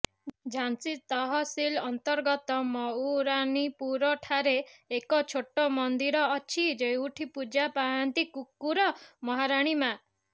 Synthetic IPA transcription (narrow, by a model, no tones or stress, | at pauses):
d͡ʒʱansit̪ɔɦɔsilɔnt̪ɔɾɡɔt̪ɔmɔuɾaɳ̃ipuɾɔʈʰaɾeːkɔt͡ʃʰoʈɔmɔnd̪iɾɔːt͡ʃʰid͡ʒejuʈʰipud͡ʒapaɦant̪ikukːuɾɔmɔɦaɾaɽ̃ima